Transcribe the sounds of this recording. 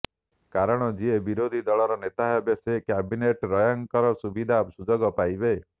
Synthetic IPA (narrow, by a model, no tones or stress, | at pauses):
kaɾɔɽ̃ɔd͡ʒiebiɾod̪ʱid̪ɔɭɔɾɔnet̪aɦɔbjesekabineʈɾɔjɔŋkɔɾɔsubid̪ʱabsud͡ʒɔɡɔpajbe